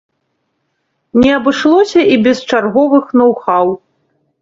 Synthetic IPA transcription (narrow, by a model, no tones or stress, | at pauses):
nʲɛɐbɨʂlˠɔsʲɐʔibʲɛst͡ʂarɣɔvɨxnɐwxaw